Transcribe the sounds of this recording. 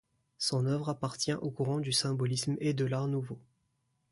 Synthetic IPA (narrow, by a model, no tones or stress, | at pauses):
sɔ̃nœvʁapaʁt̪jɛ̃ʔokuʁɑ̃d̪ysɛ̃bɔlismed̪əlaʁnuvo